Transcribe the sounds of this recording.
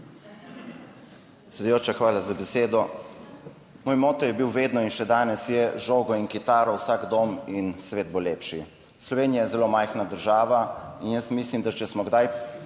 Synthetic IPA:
sɛd̪ujoːt͡ʃaxʋaːlazabɛseːd̪ɔ | moːjmoːt̪ɔjɛbiwʋeːd̪nɔinʃɛd̪aːnɛsjɛʒoːɡɔinkit̪aːɾɔwsaːkd̪oːminsʋeːd̪̚boleːpʃi | slɔʋeːnijajɛzɛloːmajxnad̪əɾʒaːʋainjəst̪mislimd̪at͡ʃɛsmɔɡd̪aj

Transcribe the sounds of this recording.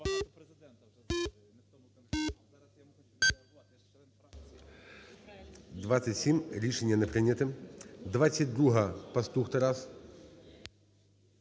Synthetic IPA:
d̪vat̪sːɐtʲsʲimʲɾʲiʂɛnʲːɐnɐpɾɨnʲɐt̪ɨd̪vat̪sʲɐt̚ʲd̪ɾuɦɐpɐst̪uxt̪ɐɾas

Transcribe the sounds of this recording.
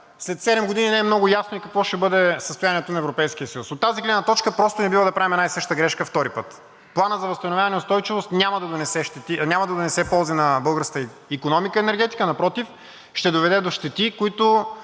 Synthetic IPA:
slɛt̪sɛd̪ɛmɡod̪ininɛɛmnɔɡʊjasnoikɐkvɔʃɛbɤd̪ɛsəst̪ojaniɛt̪onɐɛvɾopɛjsk̟ijəsəjusot̪ːaziɡlɛd̪nət̪ɔt͡ʃkəpɾɔst̪onɛbivəd̪ɐpɾavimɛnaisɤʃt̪əɡɾɛʃkəft̪ɔɾipɤt̪ | plˠanəzɐvɐst̪ɐnovʲjavɐnɛʊst̪ɔjt͡ʃivost̪nʲamɐd̪ɐd̪onɛsɛʃt̪ɛt̪inʲamɐd̪ɐd̪onɛsɛpɔlˠzinɐbɤlˠɡəɾsk̪əi | ikonɔmikəɛnɛɾɡʲɛt̪i̥kənɐpɾɔt̪if | ʃt̪ɛd̪ovɛd̪ɛd̪oʃt̪ɛt̪ikoit̪ʊ

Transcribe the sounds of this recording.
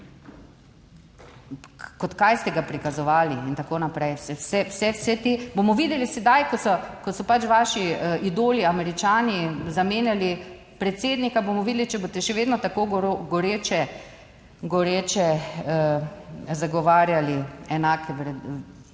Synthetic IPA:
kɔt̪kajst̪ɛɡapɾikazɔʋaːliint̪akoːnapɾɛjsɛwsɛwsɛwsɛt̪ebomɔʋiːd̪ɛlisɛd̪ajkɔsɔkɔsɔpat͡ʃʋaːʃiid̪oːliamɛɾit͡ʃaːnizameːnjali | pɾɛt̪seːd̪nikabomɔʋiːd̪lit͡ʃɛbost̪ɛʃɛʋeːd̪nɔt̪akoːɡoɾoɡoɾeːt͡ʃɛ | ɡɔɾet͡ʃɛə | zaɡɔʋaːɾjaliɛnaːkʰɛʋɾɛ

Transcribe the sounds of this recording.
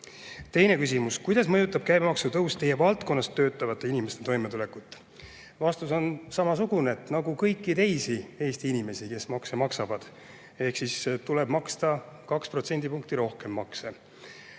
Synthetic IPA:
t̪e̞jne̞kys̬ʲimuskujd̪̥ɑsmɤjut̪ːˑɑb̥̚kæjbemɑksut̪ɤwst̪ːe̞jevɑlt̪ˑko̞nːɑst̪ːø̞ːt̪ːˑɑvɑt̪ːˑeinʲime̞st̪e̞t̪o̞jmet̪ule̞kut̪ːˑ | vɑst̪uso̞nsɑmɑs̬uɡ̥uneet̪nɑɡukɤjkːˑit̪e̞jsie̞ːst̪iinime̞sike̞smɑksemɑksɑvɑd̪̥ | e̞hksist̪ule̞b̥mɑkst̪ɑ | kɑkspro̞t̪se̞nʲd̪̥ipuŋk̚t̪iɾo̞hke̞mːɑkse

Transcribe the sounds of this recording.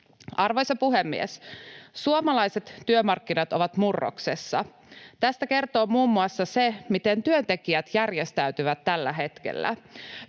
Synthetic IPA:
ɑrʋojsɑpuɦemːḭessuomɑlɑjse̞t̪ːyømɑrkːinɑt̪o̞ʋɑt̪murːo̰ksesːɑ̰ | t̪æst̪æke̞rt̪o̞ːmuːmːuɑsːɑsemit̪e̞nt̪yønt̪e̞kiæt̪jærjest̪æyt̪yʋæt̪ːælːæɦe̞t̪k̟ḛlːæ̰

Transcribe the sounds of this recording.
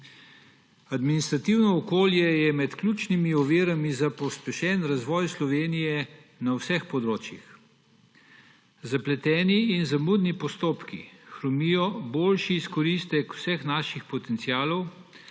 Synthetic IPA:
ad̪minist̪ɾat̪iwnɔɔkoːljɛjɛmɛt̪klʲuːt͡ʃnimiɔʋiːɾamizapɔspɛʃɛːnɾazʋɔːjslɔʋeːnijɛ | nawsɛxpɔd̪ɾoːt͡ʃjḭx | zaplɛt̪ɛːniːnzamud̪nipɔst̪oːpkḭxɾɔmiːjɔboːlʃiːskɔɾist̪ɛkw̥sɛxnaʃixpɔt̪ɛnt̪siaːlɔw

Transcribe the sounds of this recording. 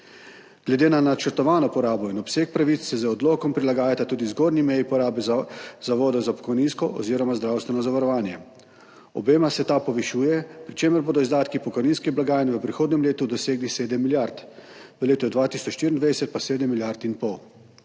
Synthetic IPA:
ɡ̥lɛd̪eːnanat͡ʃəɾt̪ɔʋaːnɔpɔɾaːbɔinɔpseːk̚pɾaʋit̪sːɛzəɔd̪loːkɔmpɾilaɡaːjat̪at̪uːd̪izɡoːɾnimɛjipɔɾaːbɛzaʋɔːd̪ɔzapɔ̥kɔjninskɔʔɔ̰ziːɾɔmazd̪ɾaːwst̪ʋɛnɔzaʋaɾɔʋaːnjɛ | ɔ̰beːmasɛt̪apɔʋɛʃuːjɛpɾit͡ʃeːməɾboːd̪ɔizd̪aːt̪kipɔkɔjniːnskiblaɡaːjənɛʋəpɾixoːd̪nɛmleːt̪ud̪ɔseːɡliseːd̪əmːiljaɾt̪ | ʋəleːt̪ɔd̪ʋaːt̪isɔʃt̪iɾʲind̪ʋad̪ɛsɛt̪̚paseːd̪əmːiljaɾt̪inpɔw

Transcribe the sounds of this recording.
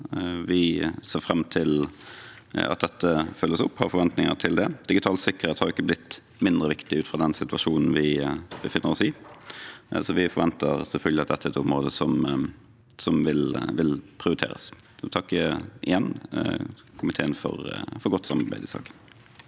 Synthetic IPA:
ʋɪseːɾfɾɛmːt̪ʰɪl | ɑ̰t̪̚d̪ɛt̪ːəfœlːəsʊpːhɑɾfɔɾʋɛnt̪nɪŋət̪ʰɪld̪ɛd̪̥ɪɡɪt̪ʰɑːlsɪkəɾheːt̪hɑɾɪkːəblɪt̪ː | mɪnd̪ɾəʋɪkt̪ɪʉːt̪fɾɑd̪ɛnsɪt̪ʉɑʂuːnn̩ʋɪbəfɪnːəɾɔsɪ | sɔʋɪfɔɾʋɛnt̪əɾsɛlfœlɡəlɪɑt̪d̪ɛt̪ːæɛɾɛt̪ʊmɾoːd̪əsɔm | sɔmʋɪlʋɪlpʰɾɪʊɾɪt̪ʰḛːɾə̰s | t̪ʰɑkːəʔɪ̰jɛnː | kʰʊmɪt̪ʰeːənfɔ̰ɾfɔɾɡɔt̪ːsɑmːɑɾbæ̰ɪd̪ɪsɑ̰ːkə̥n

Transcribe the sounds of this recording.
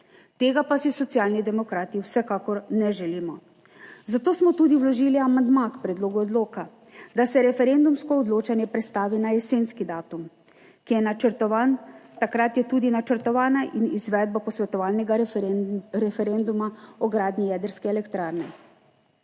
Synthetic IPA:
t̪eːɡapasisɔt̪siaːlnid̪ɛmɔkɾaːt̪iwsɛkaːkɔɾnɛʒɛliːmɔ | zat̪oːsmɔt̪uːd̪iwlɔʒiːliamand̪makpɾɛd̪loːɡuɔd̪loːka | d̪asɛɾɛfɛɾend̪umskɔːd̪loːt͡ʃanjɛpɾɛt̪st̪aːʋinajɛseːnskid̪aːt̪um | kijɛnat͡ʃəɾt̪ɔʋant̪akɾat̪jɛt̪uːd̪inat͡ʃəɾt̪ɔʋaːnaʔinizʋɛːd̪̚bapɔsʋɛt̪ɔʋaːlnɛɡa | ɾɛfɛɾend̪umaɔɡɾaːd̪nijɛːd̪əɾskɛːlɛkt̪ɾaːɾnɛ

